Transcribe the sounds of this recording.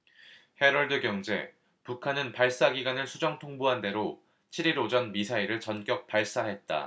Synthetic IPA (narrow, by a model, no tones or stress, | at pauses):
he̞ɾʌɭdɯɡjʌŋd͡ʑe̞̰ | pukʰanɯnpaɭs͈aɡiɡwanɯɭsʰud͡ʑʌŋtʰoŋboɦande̞ɾo | t͡ɕʰiɾiɾod͡ʑʌnmisʰaiɾɯɭt͡ɕʌnk͈jʌk̚p͈aɭs͈aɦe̞t̚t͈a̰